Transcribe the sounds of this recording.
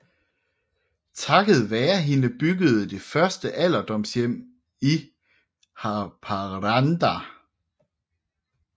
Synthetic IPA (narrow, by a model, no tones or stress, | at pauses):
t͡sʰɑ̈ɡ̥əð̞̩ˠʋæːɐɦe̝nəb̥yɡəð̞̩ˠəd̥e̝fɶɐsd̥əʔæl̰ɐd̥ɒ̽m̰sjem̰ | i | hɑpʰɑʁɑnd̥æ